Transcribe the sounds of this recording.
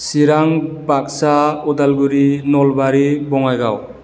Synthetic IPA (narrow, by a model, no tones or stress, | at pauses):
siɾaŋ | bak̚saudalɡuɾinɔlbaɾibɔŋajɡaw